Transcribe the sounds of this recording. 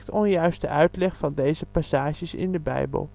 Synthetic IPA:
tɔnjœɥstə̰ʔœɥtlɛχfɑndejzəpasaːʒəsɪ̰ndəbɛ̰jbə̰lˠ

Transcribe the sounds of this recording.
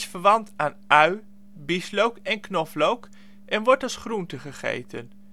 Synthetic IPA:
sfəɹʋɑntaːnʔœɥ | bislowkɛnknɔflowk | ʔɛnʋɔɹtɑsχruntəχəχḛjtə̰n

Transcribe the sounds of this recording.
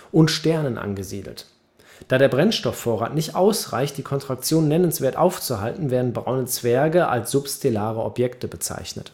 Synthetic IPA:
ʔʊntʃtɛɐnənʔa̰nɡəzḭːdl̩t | d̥aːɾeːɐbʁɛnʃtɔfːoːɐʁa̰ːtnɪçtʔaʊsʁa̰ɪçt̚d̥iːkʰɔntʁ̥ak̚t͡sjoːnːɛnənsv̥eːɐtʔaʊft͡suɦa̰ltn̩veːɐdn̩bʁa̰ʊnət͡sv̥ɛɐɡəʔa̰lsz̥ʊpstʰelaːʁəɔpjɛktəbət͡sa̰ɪçnə̰t

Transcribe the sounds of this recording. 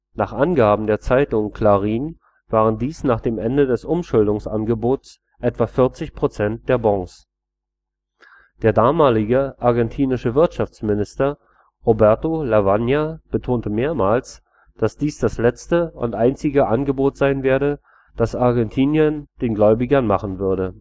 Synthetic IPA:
naːχʔanɡaːbm̩deːɐt͡saɪtʊŋkʰl̥aːʁiːn | v̥aːʁ̞əndiːsnaːχd̥eːmʔɛndədɛsʔʊmʃʊldʊŋsʔa̰nɡəboːts | ʔɛtv̥afɪɐt͡sɪçpʁ̥ot͡sɛnt̚d̥eːɐbɔŋs | d̥eːɐdaːmaːlɪɡəʔaɐɡɛntʰiːnɪʃəvɪɐtʃaft͡smɪnɪstɐ | ʁobɛɐtolavanjab̥ətʰoːntəmeːɐmaːls | d̥asd̥iːsd̥aslɛt͡stəʊ̰ntʔaɪnt͡sɪɡəʔanɡəboːtz̥aɪnveːɐɾə | d̥asaɐɡɛntʰiːnjənd̥eːnɡlɔʏbɪɡɐnmaχn̩vʏɐɾə

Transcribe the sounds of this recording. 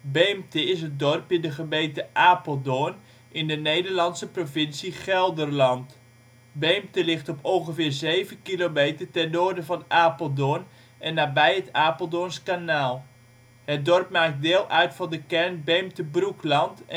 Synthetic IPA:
bejmtəɪsət̚dɔrpɪndəχəmejtəʔaːpəlˠdoən | ʔɪndənejdərlɑnsəprovɪnsiχɛlˠdərlɑnt | bejmtəlɪχtɔpɔŋχəvɪːrzejvənkilomejtərtɛnːoːrdəvɑnaːpəlˠdoən | ɛnːaːbɛjətaːpəlˠdonskanaːlˠ | hət̚dɔrpmaːk̚t̚dɪːlˠʔœɥtfɑndəkɛrnbejmtəbruklɑnt

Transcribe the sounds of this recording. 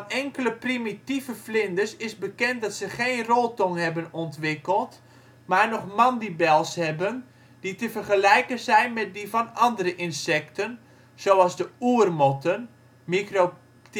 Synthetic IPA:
nɛŋkələprimitivəflɪndəsɪsbəkɛnt̚dɔtsəχeːnroːlˠtɔŋɦɛbənɔntʋɪkəlˠt | maːrnɔχmɑndibɛlˠshɛbən | d̥itəvərχəlɛjkənzɛjnmɛt̚divɑnɑndəɾəʔɪnsɛktən | z̥owɑlˠzdəuərmɔtən | mikro

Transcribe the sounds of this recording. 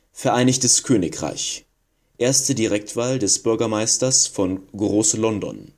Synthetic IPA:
fɛɐʔaɪnɪçtəskʰøːnɪkʁ̥a̰ɪç | ʔeːɐstədiʁɛktv̥aːldɛsb̥ʏɐɡɐmaɪstɐsfɔnɡʁoːslɔndɔ̰n

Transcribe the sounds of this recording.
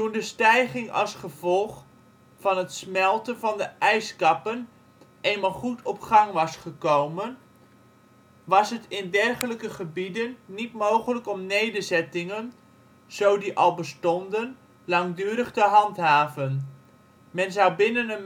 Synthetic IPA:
tundəstɛjχɪŋɑ̰lˠsχəv̥ɔlˠχ | fɑnɦətsmɛlˠtənvɑndəʔɛjskɑpən | ʔejnmaːlˠχutʰɔpχɑŋʋɑsχəkowmən | ʋɑsɦətɪndɛrχələkəχəbidənːitmowχələkɔmnejdəɹzɛtɪŋən | z̥owdiʔɑlˠbəstɔndən | lɑŋdyːɾəχtəɦɑntɦaːvən | mɛnzɑwbɪnənən

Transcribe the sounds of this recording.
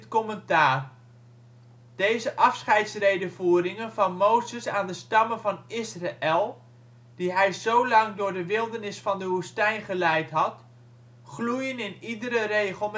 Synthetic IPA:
tkɔməntaːr | d̥ejzəʔɑfsχɛjtsrejdəvuːɾɪŋənvɑnmowzəsaːndəstɑmənvɑnɪsraʔɛlˠ | d̥iɦɛjzowlɑŋdʊːɹdəʋɪlˠdəɹnɪsfɑndəʋustɛjnχəlɛjtɦɑt | χlujənɪnidəɾərejχəlˠm

